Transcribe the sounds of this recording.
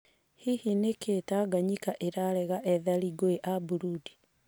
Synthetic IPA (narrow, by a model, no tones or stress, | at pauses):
hihinekʰetaɡaɲikaʔeɾaɾɛɣaʔɛðaliɡweʔabuɾudi̥